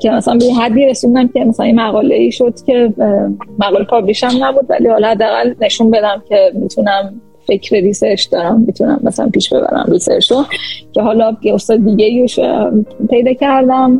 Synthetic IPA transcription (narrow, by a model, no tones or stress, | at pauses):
cʰe̞mæsælænbe̞jeɦæd̪ːiːɾe̞sund̪æmcʰe̞mæsælænjemæɣɒːle̞iːʃo̞d̪̥cʰe̞ | mæɣɒːlepʰɒbliʃæmnæbuːd̪væ̰lihɒːlɒhæd̪ːeæːɣælne̞ʃunbe̞d̪æmcʰe̞mit̪ʰunæm | fe̞cʰɾeliseʃd̪ɒːɾæmːit̪ʰunæ̰mːæsælæ̰mpiːʃb̥e̞bæ̰ɾæ̰mlisḛʃocʰe̞ɦɒːlɒːjeost̪ɒːd̪ed̪iːɟeioʃpʰe̞jd̪ɒːcʰæɾd̪æm